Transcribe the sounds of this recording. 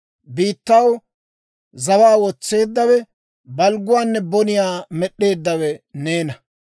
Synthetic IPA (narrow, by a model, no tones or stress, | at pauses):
biːt̪ːɐw | zɐwaːwɔt͡sːe̞ːd̪ːɐwɛ | bɐlɡʊwaːnːɛbɔnɪjaːmɛɗːe̞ːd̪ːɐwɛneːnɐ